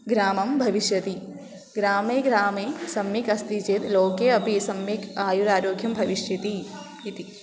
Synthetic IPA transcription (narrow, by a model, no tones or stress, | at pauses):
ɡɾaːmɐmbʱɐʋiʃjɐt̪i | ɡɾaːmeːɡɾaːmeːsɐmjikɐst̪it͡ʃeːt̪loːkeːɐpisɐmjikaːjuɾaːɾoːɡʱjɐmbʱɐʋiʃjɐt̪i | it̪i